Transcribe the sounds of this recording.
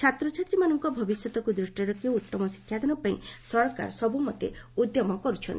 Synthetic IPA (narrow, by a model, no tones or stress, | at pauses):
t͡ʃʰat̪ɾɔt͡ʃʰat̪ɾimanɔŋkɔbʱɔbisjɔt̪ɔkud̪ɾusʈiɾɔkiout̪ːɔmɔsi̥kʰːjad̪ɔnɔpaḭ̃sɔɾɔka̰ɾsɔbumɔt̪ḛud̪jɔmɔkɔɾut͡ʃʰɔnt̪i